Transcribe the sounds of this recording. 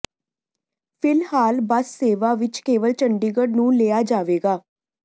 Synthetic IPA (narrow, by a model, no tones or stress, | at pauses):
pʰɪlhaːlbəsːeːʋaːʋɪt͡ʃkeːʋəlt͡ʃəɳɖiːɡəɖnũːleːaːd͡ʒaːʋeːɡaː